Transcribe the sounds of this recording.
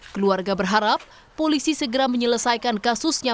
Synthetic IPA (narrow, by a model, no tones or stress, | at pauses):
kəluarɡabərɦaɾap̚ːolisisəɡəɾaməɲələsajkankasʊsɲa